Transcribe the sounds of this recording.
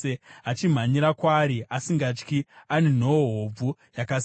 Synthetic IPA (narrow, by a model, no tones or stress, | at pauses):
eat͡ʃim̤aɲiɾakwaːɾiasiŋɡat͡ʃkianen̤ooɦob͡vu | jakas